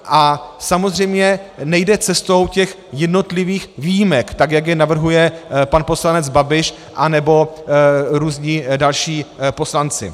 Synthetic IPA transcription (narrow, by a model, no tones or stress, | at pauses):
ʔasamo̞zr̝ɛjmɲɛnɛjdɛt͡sɛst̪o̞wcɛx | jɛdno̞t̪lɪviːxvijimɛkt̪aɡjaɡjɛnavr̩ɦujɛpanpo̞slanɛd͡zbabɪʃ | ʔanɛbo̞ | ɾuːzɲɪdalʃiːpo̞slant͡sɪ̰